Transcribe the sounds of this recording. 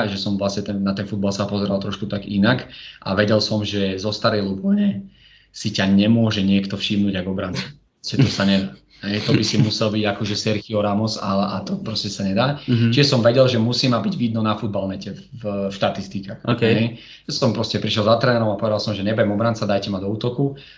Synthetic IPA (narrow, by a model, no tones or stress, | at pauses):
ʒɛsɔmʋlasɲɛt̪ɛnnat̪ɛnfud̪̚balsapɔzɛɾalt̪ɾɔʃkut̪aɡinakʔa̰ʋɛɟɛlsɔmʒɛzɔst̪aɾɛjlupɔɲɛ | sicaɲɛmʊɔʒɛɲɪɛkt̪ɔfʃimnuːɟaɡɔbɾant͡sḁ | ɛt̪ɔsaɲɛd̪aː | ɦɛjt̪ɔbisimusɛlbiɟakɔʒɛsɛɾxiɔɾamɔsalɛʔat̪ɔpɾɔscɛsaɲɛd̪aːt͡ʃiʒɛsɔmʋɛɟɛlʒɛmusiːmabiɟʋid̪nɔnafud̪̚balnɛcɛvʃt̪at̪ist̪ikaːxkɦɛj | sɔmpɾɔscɛpɾiʃɛlzat̪ɾɛːnɛɾɔmapɔʋɛd̪alˠsɔmʒɛɲɛbajɛmɔbɾant͡sad̪ajcɛmad̪ɔuːt̪ɔku